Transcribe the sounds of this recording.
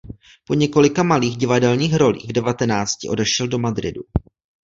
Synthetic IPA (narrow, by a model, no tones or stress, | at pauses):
po̞ɲɛko̞lɪkamaliːɣɟɪvadɛlɲiːxɾo̞lḭːɣvdɛvat̪ɛnaːt͡scɪʔo̞dɛʃɛldo̞madɾɪ̰du